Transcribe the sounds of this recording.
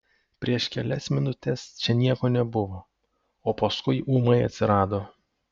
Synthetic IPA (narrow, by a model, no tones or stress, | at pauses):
pʲɾʲiɛʃkʲɛlʲɛsmʲɪnʊt̪ʲɛst͡ʃʲɛnʲiɛkoːnʲɛbʊʋoː | oːpɐskʊɪʔuːmɐɪɐ̰t̪ʲsʲɪɾɑːd̪oː